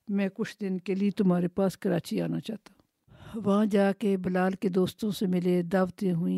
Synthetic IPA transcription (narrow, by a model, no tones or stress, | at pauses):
mɛ̃ːkʊt͡ʃʰd̪ɪnkeliet̪ʊmɦaːɾepaːskɐɾaːt͡ʃiaːnat͡ʃaːt̪aɦũ | ʋɐɦãd͡ʒaːkebɐlaːlked̪oːst̪õsemɪled̪aːʋt̪ẽɦʊĩː